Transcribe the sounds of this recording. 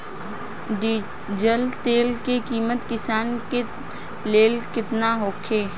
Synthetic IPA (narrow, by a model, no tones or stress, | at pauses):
ɖi | d͡ʒəlt̪eːlkekiːmət̪kɪsaːnke | leːlkɪt̪naɦoːkʰeː